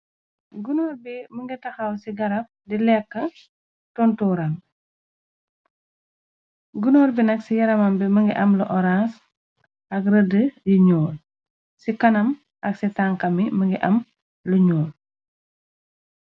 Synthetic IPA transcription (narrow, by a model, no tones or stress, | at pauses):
ɡunɔːɾbiməŋɡitɐxɐwsiɡɐɾɐp̚dilɛkːɐ | tɔntɔɾɐn | ɡunɔːɾbinɐksijɐɾɐmɐmbiməŋɡiʔɐmlɐʔɔɾas | ʔɐkrədəjiɲɔːl | sikɐnɐm | ʔɐksitaŋkɐmiməŋɡiʔɐm | luɲɔːl